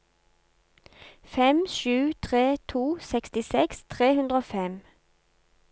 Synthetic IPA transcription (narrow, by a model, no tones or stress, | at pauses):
fɛmʃʉːt̪ʰʁeːt̪ʰuːsɛkst̪ɪsɛkst̪ʰʁeːhʉnd̪ʁoːfɛm